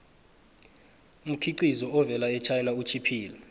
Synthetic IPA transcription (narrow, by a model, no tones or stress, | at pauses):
um̩kʰiǃizɔɔvɛlaɛt͡ʃʰajɛlaut͡ʃʰipʰiːlɛ